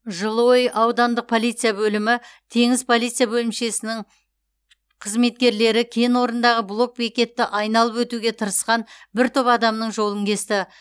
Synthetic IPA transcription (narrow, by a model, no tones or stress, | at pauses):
ʒəlˠəwo̞jəʔɑwd̪ɑnd̪əq̚pʰo̞lˠijt̪sɨjabɵlɪmɪt̪ʰe̞ŋɪzpʰo̞lˠit̪sɨjabɵlɪmʃe̞sɪnɪŋ | qʰəzme̞t̪̚kʲe̞ɾle̞ɾɪkʲʰe̞nwo̞ɾənd̪ɑʁəblˠo̞k̚bekʲe̞t̪ːɪʔɑjnɑlˠəpwɵt̪uɡʲe̞t̪ʰəɾəsqɑnbɪɾt̪ʰøpɑd̪ɑmnəɴʒo̞lˠəŋkʲʰe̞st̪ɪ